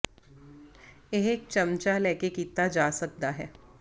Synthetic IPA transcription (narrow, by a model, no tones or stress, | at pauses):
eɦek̚t͡ʃɐmt͡ʃalɛːkekiːt̪ad͡ʒaːsɐk̚d̪aɦɛː